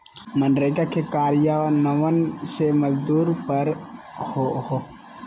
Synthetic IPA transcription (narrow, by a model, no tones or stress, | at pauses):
mənɾekakekaːɾjanəʋənseməzd̪uːɾpəɾ | hoho